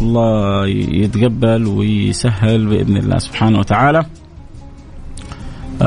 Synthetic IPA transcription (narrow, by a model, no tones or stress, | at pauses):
ɑlˤːɑːjɪt̪ɡabːalwɪjsaɦːalbɪʔɪ̰ðnɪ̰lːʔa̰ːsʊb̥ħaːnawat̪aʕaːla